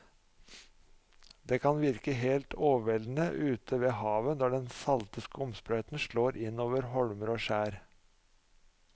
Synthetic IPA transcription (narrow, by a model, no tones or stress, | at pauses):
d̪eːkʰɑnʋɪɾkəɦeːlt̪ʰoːʋʋɛln̩əʔʉːt̪ʰəʋeːhɑːʋənd̪ɑɖɛnsɑlt̪əskəɔmspɾœʏt̪nʂɭoːɾʔɪnːoːʋəɾhɔɽməɾoːʃæːɾ